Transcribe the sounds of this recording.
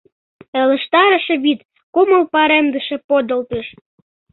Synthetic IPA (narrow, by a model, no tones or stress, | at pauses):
ə̆lə̆ʃt̪ɑɾə̆ʃĕβit̪ | koməlpɑɾemd̪əʃe̽pod̪əlt̪əʃ